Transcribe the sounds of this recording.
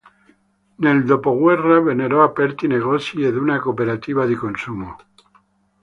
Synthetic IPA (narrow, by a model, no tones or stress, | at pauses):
neld̪opoɣweraβeneɾoapeɾt̪ineɣ̞osjeðunakopeɾat̪iβaðekonsumo